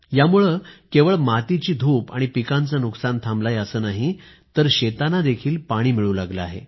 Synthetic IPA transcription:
jamuɭəkeʋəɭmat̪it͡ɕiːd̪ʱuːpa̰ɽ̃ipikant͡sənuksant̪ʰamblajəsəːnaɦi | t̪əɾɕet̪anad̪ekʰiːlpaɽ̃iːmiɭuːlaɡləaɦḛ

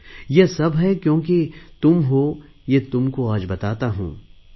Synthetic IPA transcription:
jesɐbɦɛkjõːket̪ʊmɦo | jet̪ʊmkoaːd͡ʒbɐt̪aːt̪aɦṵ̃ː

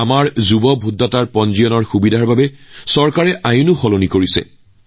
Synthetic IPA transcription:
amaɹzubɔbʱudʱːataɹpɔnzijɔnɔɹxubidʱaɹbabɛsɔɹkaɹɛʔajunʊxɔlonikoɹisɛ̰

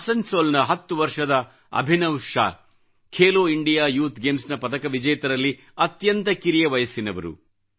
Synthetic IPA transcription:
ɐsɐɲsoːlnɐɦɐt̪ːuʋɐɾʂɐd̪ɐ | ɐ̰bʱinɐwʂa̰ː | kʰeːloːiɳɖijaːjuːt̪ɡeːmsnɐpɐt̪ɐkɐʋid͡ʒɐjɐt̪ɐɾɐlːi | ɐt̪jɐnt̪ɐkiɾijɐʋɐjɐsinɐʋɐɾṵ

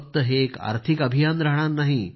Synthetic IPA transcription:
t̪əɦeka̰ɾt̪ʰikəbʱijanɾaɦɳ̃anːaɦi

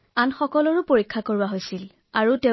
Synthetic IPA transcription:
anxɔkɔlɔɹʊpoɹikʰːakoɹʊaɦojsil | aɹute

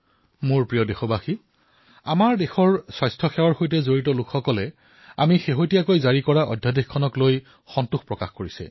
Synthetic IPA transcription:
mʊɹpɹijɔdexɔbaxi | amaɹdexɔɹswajstʰɔxɛwaɹxojtɛzoɹitɔlukʰxɔkɔlɛ | a̰mixeɦojtijakojzaɹikɔɹaʔɔ̰dʱjadexkʰːɔnɔkloj | xɔntuxpɹɔkaxkoɹisɛ̰

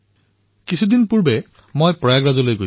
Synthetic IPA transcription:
kisʰudinpuɹbɛ | mojpɹɔjaɡɹazɔlojɡo

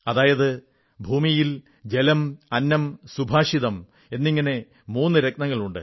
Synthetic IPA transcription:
ɐðaːjɐðɨ | bʱuːmijil | d͡ʑe̞lɐmɐnːɐmsubʱaːʂiðɐm | e̞nːiŋːɐne̞ | muːnːɨɾeknɐŋːɐɭuɳɖɨ̰

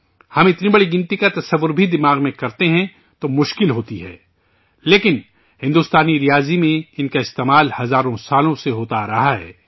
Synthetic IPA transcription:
hɐmɪt̪nibɐɽiɡɪ̃nt̪ikat̪ɐsɐʋːʊɾbʱid̪ɪmaːɣmẽkɐɾt̪eɦɛ̃ | t̪omʊʃkɪlɦoːt̪iɦɛ̰ː | leːkɪn | hɪ̃nd̪uːst̪aːniɾijaːzimẽɪnkaɪst̪eːmaːlhɐzaːɾõsaːlõseɦoːt̪aɾɐɦaɦɛ̰ː

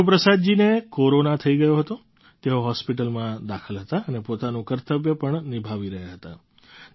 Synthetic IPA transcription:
upɾəsad̪d͡ʒinekoɾonat̪ʰəiɡəjoɦət̪o | t̪eoɦɔspiʈəlmãd̪akʰəlɦət̪aənepot̪anũkəɾt̪əbjəpəɳnibʱaʋiɾəɦjaɦət̪a

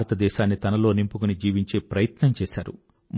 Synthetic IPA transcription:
ɾɐt̪ɐd̪ɛːʃaːnːit̪ɐnɐlo̞ːnimpukunid͡ʒiːʋiɲt͡ʃe̞ːpɾɐjɐt̪nɐmt͡ʃɛːʃaːɾṵ | m

